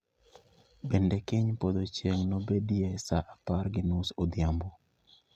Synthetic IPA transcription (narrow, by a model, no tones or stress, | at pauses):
bɛndekɪɲpod̪ot͡ʃjeŋnobediesaʔaparɡɪnusod̪ɪambo